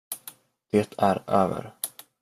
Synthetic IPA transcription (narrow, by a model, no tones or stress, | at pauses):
d̪̥eːt̪ʰæɾøːvə̰ɾ